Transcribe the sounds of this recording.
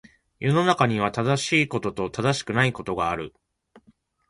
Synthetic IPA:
jo̞no̞nakaɲ̟iβ̞at̪ad̪aɕiːko̞t̪o̞t̪o̞t̪ad̪aɕi̥kɯ̟naiko̞t̪o̞ɡaːɾɯ̟

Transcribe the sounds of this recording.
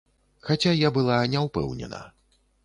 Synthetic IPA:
xat͡sʲajabɨlˠanʲɛwpɛ̰wnʲɛ̰nɐ̰

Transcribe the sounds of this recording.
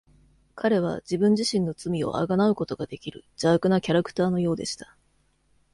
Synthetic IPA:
kʰaɾe̞β̞a̰d͡ʑibɯ̟̃ɲ̟d͡ʑiɕĩno̞t͡sɨmʲio̞̰ʔa̰ɡanaɯ̟ko̞t̪o̞ɡad̪e̞kʲiɾɯ̟d͡ʑaːkɯ̟nakʲaɾakɯ̥t̪aːno̞jo̞ːd̪e̞ɕi̥t̪ḁ

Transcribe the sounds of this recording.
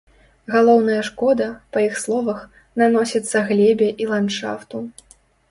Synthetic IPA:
ɣalˠɔwnɐjɐʂkɔd̪ɐpɐjixslˠɔvɐx | nanɔsʲɐt̪sːɐɣlʲebʲɛʔilˠantʂa̰ft̪u

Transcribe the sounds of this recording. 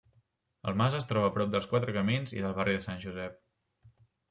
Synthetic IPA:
ə̰lˠmazəst̪ɾɔβəːpɾɔp̚d̪əlˠskwat̪ɾəkəminzḭðəlˠβ̞arʔiðəsanʲʒuzɛp̚

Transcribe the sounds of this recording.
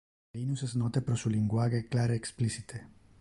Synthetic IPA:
inuseznot̪epɾosuliŋɡwaɣeklaɾeːksplisit̪ʰe

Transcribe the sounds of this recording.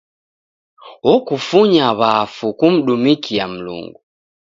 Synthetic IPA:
wɔkufuɲaβafukum̩ɗumikiam̩lṵŋɡu

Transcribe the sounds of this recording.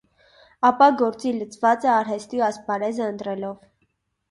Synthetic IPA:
ɑpɑɡɔɾt͡silət͡sʰvɑt͡səɑɾɦɛst̪iɑspɑɾɛzəənt̪ɾɛlɔv

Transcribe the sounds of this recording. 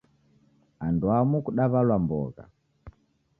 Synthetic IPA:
anduamukuɗaβalwambɔ̰ɣa̰

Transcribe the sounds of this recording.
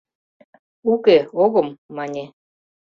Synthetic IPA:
ukeoɣɤ̆mːɑnʲe

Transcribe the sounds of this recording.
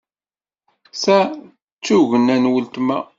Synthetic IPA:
sæ | t͡sːuʝənænwəlt̪mæ̰

